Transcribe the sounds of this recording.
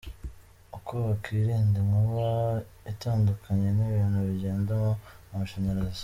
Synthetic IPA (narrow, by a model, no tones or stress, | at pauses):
ukoβakʰiɾiːndimuβa | itaːndukʰaɲe̞niβiːn̥huβiɟe̞ːndamomumaʃaɲaɾazz